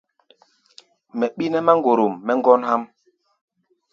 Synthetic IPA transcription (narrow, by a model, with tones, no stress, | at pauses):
mɛ˨ɓi˦nɛ˦ma˦ŋɡo˨ɾo˨mːɛ˦ŋɡɔ˦nha˦m